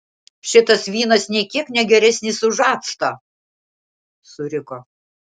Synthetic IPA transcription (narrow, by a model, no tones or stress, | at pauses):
ʃʲɪt̪ɐsʋʲiːnɐsnʲɛkʲiɛknʲɛɡʲɛɾʲɛsʲnʲɪsʊʒɑːt̪st̪ɐ | sʊɾʲɪkoː